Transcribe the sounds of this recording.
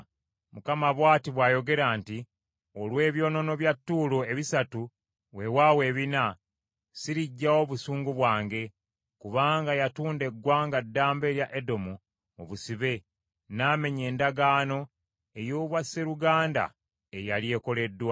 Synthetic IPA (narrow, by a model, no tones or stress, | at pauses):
mukamaβwaːtiβwaːjo̞ɡe̞ɾaːnti | olwe̞ːβjo̞ːno̞no̞βjatːuːloeβisatu | we̞waːwe̞ːβina | siɾiɟːawo̞βusuːŋɡuβwaːŋɡe̞ | kuβaːŋɡajatuːnde̞ɡːwaːŋɡadːaːmbe̞ːɾjaʔedo̞mu | oβusiβe̞ | naːme̞ɲe̞ːndaɡaːno̞ | e̞joːβwase̞ɾuɡaːnda̰ | ejalje̞ːko̞le̞dːwa